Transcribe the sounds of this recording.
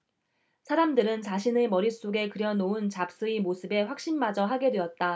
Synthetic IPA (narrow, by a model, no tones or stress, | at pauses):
sʰaɾamdɯɾɯnt͡ɕaɕʰinɯmʌɾis͈oɡe̞kɯɾjʌnount͡ɕap̚s͈ɯimosʰɯbe̞ɸwak̚ɕ͈inmad͡ʑʌɦaɡe̞dwe̞ʌt̚t͈a